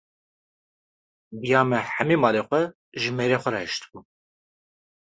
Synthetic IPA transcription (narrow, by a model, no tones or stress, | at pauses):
bijɑːmɛħæmimɑːleːxʷɛ | ʒɨmeːɾeːxʷɛɾɛhɛʃt̪bu